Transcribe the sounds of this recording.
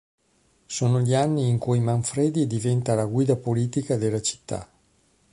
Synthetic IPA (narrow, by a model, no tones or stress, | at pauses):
soːnoʎianːiːŋkujmaɱfɾeːd̪id̪ivɛnt̪alaɡwiːd̪apoliːt̪ikad̪elːat͡ʃi̥t̪ʰːa̰